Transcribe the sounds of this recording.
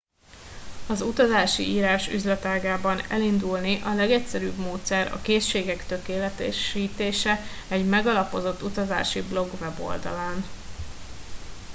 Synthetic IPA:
ɒzut̪ɒzaːʃḭiːɾaːʃy̰zlɛt̪aːɡaːbɒnɛlind̪ulniʔɒlɛɡɛcsɛɾyːbmoːt̪sɛɾɒ̰keːʃeːɡɛkt̪ø̞keːlɛt̪ɛ̰ʃiːt̪eːʃɛɛɟmɛɡɒlɒpo̞zo̞t̪ːut̪ɒza̰ːʃiblo̞ɡvɛbo̞̰ld̪ɒ̰laːn

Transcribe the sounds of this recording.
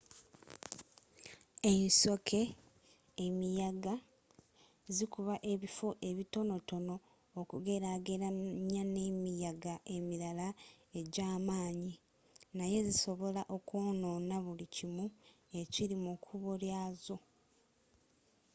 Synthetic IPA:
e̞nso̞kʰe̞ː | mijaɡa | zikuβaʔe̞βifoʔe̞βito̞no̞to̞no̞ː | kuɡe̞ɾaːɡe̞ɾaɲane̞mijaɡaʔe̞miɾala | e̞ɟaːmaːɲi | naje̞ziso̞βo̞laʔo̞koːno̞ːnaβulicimu | e̞ciɾimukʰuβoljazo̞

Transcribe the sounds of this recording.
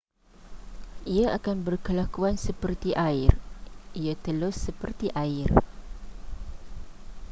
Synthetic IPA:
ʔiaʔakanbərkəlakuansəpərt̪iʔaɪriat̪əlʊsːəpərt̪iʔaɪr

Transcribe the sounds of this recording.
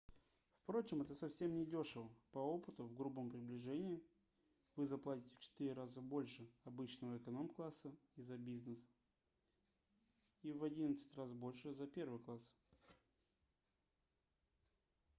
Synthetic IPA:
fpɾo̞t͡ɕɪmɛt̪əsɐfsʲe̞mnʲɪdʲo̞ʂɨvəpɐo̞pɨt̪ʊvɡɾubəmpɾʲɪblʲɪʐɛnʲɪɪ | vɨzɐplˠatʲɪtʲɪft͡ɕɪ̥t̪iɾʲɪɾazəbo̞lʲʂɨɐbɨt͡ɕnəvəɪkɐno̞mklˠasːəizɐbʲiznɨs | ivɐdʲinət̪sɨ̥tʲrasbo̞lʲʂɨzɐpʲe̞rvɨjklˠas

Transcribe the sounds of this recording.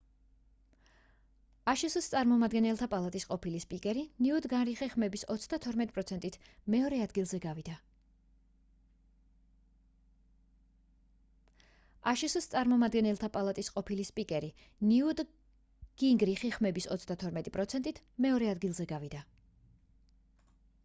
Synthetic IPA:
aʃisst̪sʼaɾmɔmad̪ɡɛnɛlˠt̪ʰapʼalˠat̪ʼisqʼɔpʰilispʼikʼɛɾiniud̪ɡanɾiχiχmɛbisɔt̪sʰd̪at̪ʰɔɾmɛt̪ʼpʼɾɔt̪sʰɛnt̪ʼit̪ʰmɛɔɾɛad̪ɡilˠzɛɡavid̪a | aʃisst̪sʼaɾmɔmad̪ɡɛnɛlˠt̪ʰapʼalˠat̪ʼisqʼɔpʰilispʼikʼɛɾi | niud̪ | ɡ̥iŋɡɾiχiχmɛbisɔ̰t̪sʰd̪at̪ʰɔɾmɛt̪ʼipʼɾɔt̪sʰɛnt̪ʼit̪ʰmɛɔɾɛad̪ɡilˠzɛɡavid̪a

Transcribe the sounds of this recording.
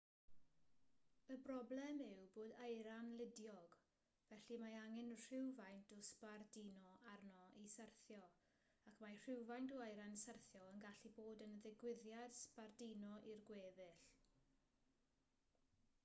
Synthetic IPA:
əbrɔblˠɛmɪwboːdajɾanlɪdjɔɡ | vɛɬimaaŋɪnr̥ɪwvajntʰɔspardinɔarnɔʔisərθjɔ | akmar̥ɪwvajntɔajɾansərθjɔənɡaɬiboːdənðɪɡwɪðjad̥spardinɔʔirɡweːvɪɬ

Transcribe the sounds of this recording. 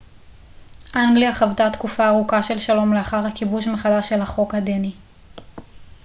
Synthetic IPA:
ʔaŋɡliaχavtat̪kufaːʁukaʃe̞lʃalo̞mleaχaʁhakibuʃmeχalaʃe̞lhaχo̞khad̪eni

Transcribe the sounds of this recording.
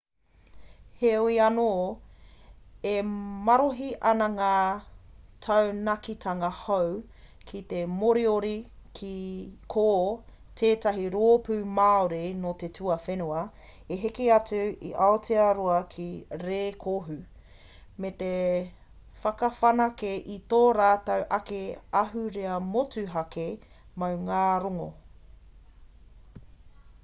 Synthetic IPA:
heoiɐnoː | emɐɾoɦiʔɐnɐŋaː | tʰɐwnɐkitʰɐŋɐhow | kʰit̪emoɾioɾikʰikʰoː | tʰeːtɐɦiɾoːpʉmaːoɾenot̪etʰuɐfenuɐ | eɦekeɐt͡sʉḭʔɐot͡siɐɾoɐkʰiɾeːkʰoɦʉ | met̪e | fɐkɐfɐnɐkeʔit̪oːɾaːtɐwʔɐkeɐɦʉɾeɐmot͡sʉɦɐke | mɐwŋaːɾoŋo̰

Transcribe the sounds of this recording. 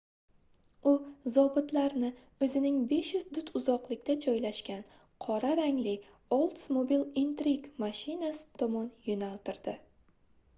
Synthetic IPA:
ʊzɒbɪt̪laɾnɪ | ɵzɪnɪŋbe̞ʃjʊzd̪ʊt̪ʰʊzɒqlˠɪkʲt̪ʰad͡ʒɒjlaʃkʲan | qʰɒɾaɾaŋlɪ | olˠt̪smobilˠint̪ɾiɡmaʃɪnasɪ̥t̪ʰɒmɒnjonalt̪ɪɾd̪̥ɪ

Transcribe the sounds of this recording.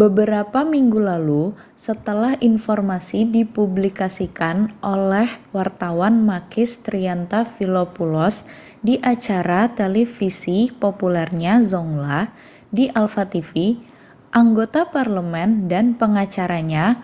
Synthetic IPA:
bəbəɾapamiŋɡulalu | sət̪əlahinfɔrmasidipublikasikanʔolɛhwart̪awanmakɪst̪ɾiant̪afilopulɔs | diʔat͡ʃaɾat̪elefisipopulɛrɲazɔŋla | diʔalfat̪ifi | ʔaŋɡot̪aparləmɛndanpəŋat͡ʃaɾaɲa

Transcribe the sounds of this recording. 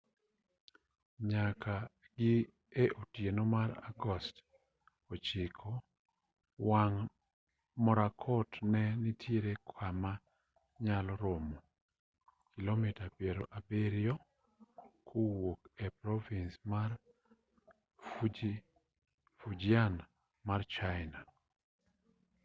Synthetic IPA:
ɲakʰa | ɡɪ | eʔotjenomaɾa̰ɡɔst | ot͡ʃɪkʰɔ | waŋ | mɔɾakʰɔtnɛnitʰjeɾekʰwama | ɲalɔɾomo | kilomitapjeɾo̰ʔabeɾjɔ | kʰowokɛpɾɔvinsmar | fud͡ʒian | mart͡ʃajna

